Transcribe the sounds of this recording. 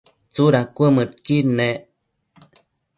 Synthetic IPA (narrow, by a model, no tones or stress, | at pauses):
t͡suɾakʷəmɨt̪̚kine